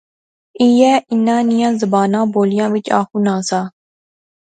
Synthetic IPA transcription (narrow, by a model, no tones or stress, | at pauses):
iːɛːɪnːãːnɪjãːzəbaːnãːboːlɪjãːʋɪt͡ʃa̰ːkʰuːnãːsaː